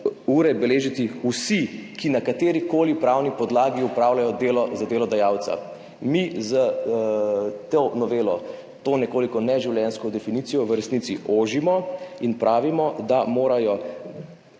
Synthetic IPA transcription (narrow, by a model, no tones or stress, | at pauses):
uːɾɛbɛleːʒit̪iusikinakat̪eːɾikoːlipɾaːwnipɔd̪laːɡiupɾaːwlajɔd̪eːlɔzad̪eːlɔd̪ajaːwt̪sa̰ | mizə | t̪onɔʋeːlɔ | t̪oːnɛkoːlikɔnɛʒiwljɛnskɔd̪ɛfiniːt̪sijɔʋəɾɛsniːt̪siʔoːʒimɔinpɾʔaːʋimɔd̪amoːɾajɔ